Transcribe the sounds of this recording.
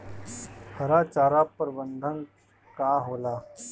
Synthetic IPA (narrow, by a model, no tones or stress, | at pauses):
kʰəɾat͡ʃaːɾapəɾbənd̪ʱən | kaɦola